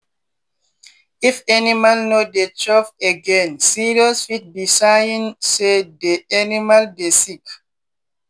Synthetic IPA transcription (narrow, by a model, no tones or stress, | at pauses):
ifɛnimalnodet͡ʃɔfeɡɛ̃nsiɹiɔsfit̚bisajĩnsedeʔanimaldesik